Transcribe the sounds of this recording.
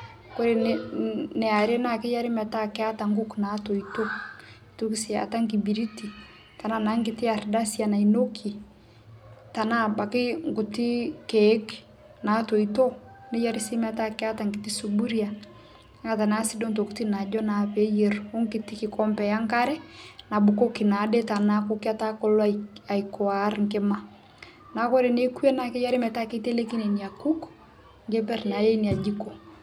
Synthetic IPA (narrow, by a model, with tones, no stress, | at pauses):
ko˦ɾe˨n | nɛ˨a˨ɾe˦na˦˨kɪ˦ja˦ɾi˦ma˨ta˦kɛ˦a˦ta˨ŋɡu˦kna˨to˨ito˦i˨tu˦ki˦si˨a̰˨ta˦ŋɡi˨bi˨ɾi˦ti˨ | ta˨na˦na˦ŋɡɪ˨tɪ˦a˨ɾda˦sja˨na˨ino˦kʰi˨ | ta˨na˦ba˨kɪ˦ŋɡu˨ti˦kɛ˨˦k | na˨˦to˨ito˦ni˦ja˦ɾi˦si˦m˦a˨ta˦kɛ˦a˦ta˨ŋɡi˨ti˦su˨bu˦ɾi˦a˨˦ | ŋa˨ta˨na˦si˦do˦nto˨kuti˦na˨d͡ʒɔ˦na˨pe˦je˦ru˦ŋkɪ˨ti˦kɪ˨kɔ˦mpɛ˨ja˦ŋka˦ɾɛ˦na˨bu˨ko˦ki˨na˨de˦ta˨na˦ko˦ki˦a˦ta˦ko˦la˨ikɔ˨a˨ɾŋke˦ma | na˨˦kɔ˦ɾe˨ne˦ku˦e˦na˨kɪ˦ja˦ɾi˦mɛ˨ta˦ke˦te˦le˦ki˦ne˨ni˨a˨ku˦k | ŋɡe˦pɛ˦rna˨je˦ni˨a˨d͡ʒi˦ko˨